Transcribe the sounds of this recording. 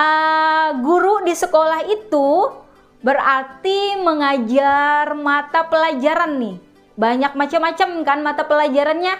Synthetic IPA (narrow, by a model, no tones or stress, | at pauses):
ʔəɡuɾudisəkolaɦit̪u | bərart̪iməŋad͡ʒarmat̪apəlad͡ʒaɾanːɪh | baɲak̚mat͡ʃamat͡ʃamkanmat̪apəlad͡ʒaɾanɲa